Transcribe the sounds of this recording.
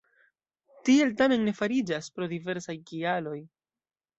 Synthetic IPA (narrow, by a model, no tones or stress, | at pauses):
tie̞ltame̞nːe̞faɾid͡ʒaspɾo̞dive̞ɾsajkialo̞j